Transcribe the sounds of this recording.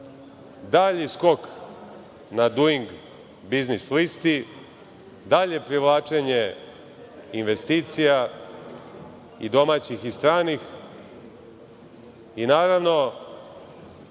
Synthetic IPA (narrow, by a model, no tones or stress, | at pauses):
d̪aʎisko̞k | nad̪uiŋɡ | biznislist̪i | d̪aʎe̞pɾiʋlˠaːt͡ʃe̞ɲe | inʋest̪iːt̪sija | id̪o̞mat͡ɕixist̪ɾaːnix | inaːɾaʋno̞